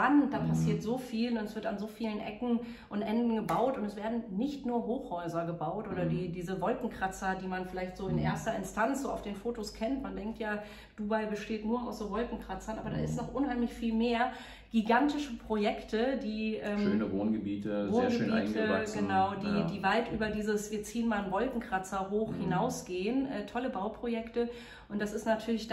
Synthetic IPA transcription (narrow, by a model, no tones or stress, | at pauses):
antd̥aːpʰasiːɐtz̥oːfiːlʊnɛsv̥ɪɐtanzoːfiːlənʔɛ̰kŋ̩ | ʔʊntʔɛndn̩ɡəbaʊtʊntɛsv̥eːɐdn̩nɪçtnuːɐɦoːxhɔʏzɐɡəbaʊtʔoːɾɐdiːdiːzəvɔlkŋ̩kʁ̥at͡sɐdiːmanfɪlaɪçtz̥oːɪnʔḛːɐstɐɪnstʰant͡sz̥oːa̰ʊfd̥eːnfoːtoskʰɛntmandɛŋk̚tjaː | d̥uːbaɪbəʃteːtnuːɐa̰ʊsz̥oːvɔlkŋ̩kʁ̥at͡sɐnʔaːbɐda̰ːɪstnɔχʔʊnɦaɪmlɪçfiːlmeːɐ | ɡ̥iɡantɪʃəpʁ̥ojɛktʰədiːʔɛːøːnəvoːnɡəbiːtəvoːnɡəbitəɡənaʊdiːdiːvaltʔyːbɐdiːzəsv̥iːɐt͡siːənmalnvɔlkŋ̩kʁ̥at͡sɐɦoːxhɪnaʊsɡ̥eːənʔɛːtʰɔləbaʊpʁ̥ojɛktə | ʔʊntd̥asɪstnatʰyːɐlɪç